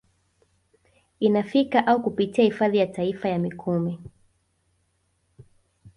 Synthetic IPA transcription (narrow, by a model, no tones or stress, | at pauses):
inafikaʔaukupitiahifaðijataifajamikʰumɛ